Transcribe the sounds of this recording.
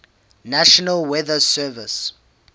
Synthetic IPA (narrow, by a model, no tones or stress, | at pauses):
naʃɔnalwɛðəsɛvis